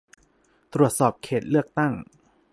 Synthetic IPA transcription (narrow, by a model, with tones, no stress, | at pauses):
t̪ɾu˨˩ət̪̚sɔː˨˩p̚kʰeː˨˩t̪̚lɯ˥˩ək̚t̪a˥˩ŋ